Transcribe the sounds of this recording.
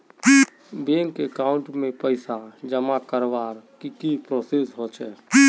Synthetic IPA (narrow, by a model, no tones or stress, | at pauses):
beŋkekaʊɳʈmẽpəɪsad͡ʒəmakəɾʋaɾkikipɾosesɦot͡ʃʰɛː